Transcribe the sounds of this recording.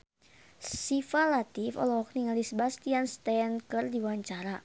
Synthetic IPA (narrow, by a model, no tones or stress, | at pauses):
sifalat̪ifɔ̰lɔwakniŋaldisəbast̪ianst̪ɛnkɨrdiwaɲt͡ʃaɾa